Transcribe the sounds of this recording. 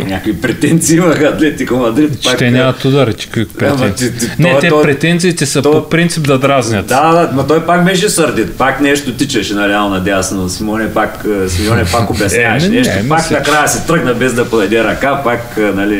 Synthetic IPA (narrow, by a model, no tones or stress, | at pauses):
nʲakvipɾɛt̪ɛnt̪siivɐxɐd̪lɛt̪ikomɐd̪ɾit̪t͡ʃpakt̪ɛnʲamɐt̪ud̪ɐɾɛt̪i̥kopɾɛtmɛt̪inɛt̪ɛpɾɛt̪ɛnt̪siːt̪ɛsɐt̪opɾint̪sib̚d̪ɐd̪ɾaznʲɐt̪ad̪anɐt̪ɔjpak̚bɛʃ̬ɛsɐɾd̪it̪̚paknɛʃt̪ʊt̪it͡ʃɐʃɛnɐɾɛalˠnɐd̪ʲasnosimʲɔnɛpaksmiɔnɛpakʊbɛaɛʃnɛʃt̪mpaknɐkɾajɐsɛt̪ɾəɡnɐbɛzd̪ɐpod̪ɐd̪ɛɾɐkapaknɐli